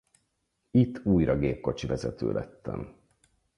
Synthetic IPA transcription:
it̪ʰːuːjɾɒɡeːp̚ko̞t͡ʃivɛzɛt̪ø̰ːlʔɛt̪ːɛm

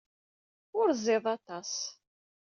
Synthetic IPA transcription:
ʊɾzˤeðˤɑt̪ˤɑs

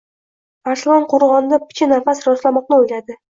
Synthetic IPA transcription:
b̥aɾsɪlˠɒnqʰoɾʁɒnɪd̪apʰɪ̥t͡ʃʰɪnafasɾɒslamɒq̚nɪojlad̪ɪ

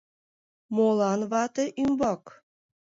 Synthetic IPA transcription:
molɑnβɑt̪eʔymbɑk

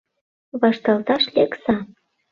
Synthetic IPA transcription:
βɑʃt̪ɑlt̪ɑʃlʲeksɑ

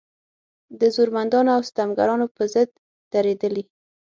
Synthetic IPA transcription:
d̪əzuɾmand̪ɑnoawst̪amɡaɾɑnopəzəd̪̚ | d̪̥aɾed̪əli

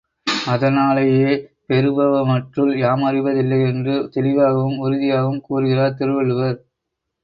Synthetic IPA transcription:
ɐðɐnaːlɐjeːpɛɾɯbɐʋɐmɐʈrɯljaːmɐrɪʋɐðɪlːɐɪɛndrɯt̪ɛlɪʋaːɣɐʋɯmʊɾɯðɪjaːɣɐʋɯmkuːɾɯɣɪraːt̪ɪɾɯʋɐɭɯʋɐɾ

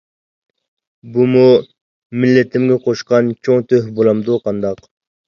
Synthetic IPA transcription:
bumu | mɪlːɪt̪ʰɪmɡʲɛqʰoʃqɑnt͡ʃʰoŋt̪ʰøɦbolˠɑmd̪uqʰɑnd̪ɑq

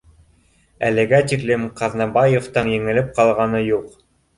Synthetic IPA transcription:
ælɘ̆ɡæt̪iklɘmqɑðnɑbɑjeft̪ɤnjɘ̆ŋɘ̆lɘp̚qɑlˠʁɑnɤjuq

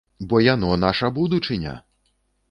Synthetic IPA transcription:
bɔjanɔnaʂɐbud̪ut͡ʂɨnʲɐ̰

